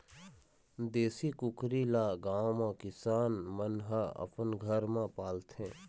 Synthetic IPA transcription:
d̪eːsikʊkɾilaːɡãːõmãkɪsaːnmənɦaə̰pənɡʱəɾmãpaːlt̪ʰɦẽː

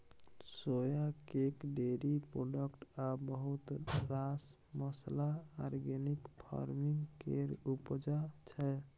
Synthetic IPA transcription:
sojakekɖeɾipɾoɖəkʈabəɦut̪ɾas | məslaːɾɡenikpʰa̰ɾmiŋkeɾupd͡ʒat͡ʃʰɛ

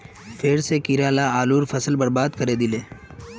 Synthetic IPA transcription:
fʰeːɾsekiɾaːlaaːluːɾfɐsəlbɐɾbaːd̪kɐɾed̪ɪleː

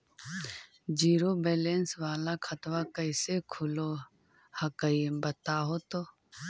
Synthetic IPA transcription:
d͡ʒiːɾobeːlensʋaːlakʰət̪ʋakəɪsekʰʊlo | hɐkəibɐt̪aːɦot̪oː

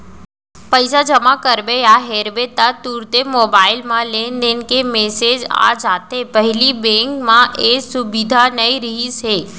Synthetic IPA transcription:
pəjsad͡ʒəmãkəɾbejaɦeɾʋet̪ːat̪uɾt̪emobailmãlend̪enkemesed͡ʒa̰d͡ʒat̪epəɦilibẽŋkmãʔesubid̪ʱanəiɾəɦise

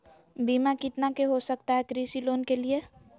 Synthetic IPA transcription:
biːmakɪt̪nakeɦosɐk̚t̪aɦɛkɾiːsiloːnkelie

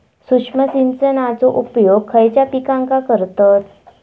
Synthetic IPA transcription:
sukʂməsint͡sənat͡soʔupjoɡ̚kʰəjt͡ɕjapikãŋkakəɾt̪ət̪̚

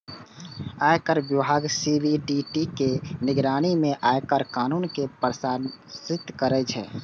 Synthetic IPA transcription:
aːjkəɾbjɪbʱaːɡsibiɖiʈikenɪɡɾaːɽ̃imẽʔaːjkəɾkaːnuːnkepəɾsaːnsɪt̪kəɾət͡ʃʰɛ̰ː

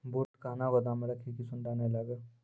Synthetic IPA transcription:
boːʈkaːnaʋɐd̪ãməɽakʰekisʊɳɖaːneləɡ

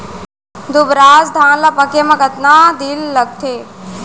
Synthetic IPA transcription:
d̪ubɾaːzd̪ʱãːnlɐpɐkemɐkɐt̪naːd̪ilːɐɡ̚t̪ʰeː

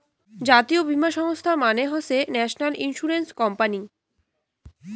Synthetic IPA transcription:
d͡ʑat̪iobʱimaʃɔŋost̪ʰamaneɦosenɛʃnalinʃuɾenskɔmpani

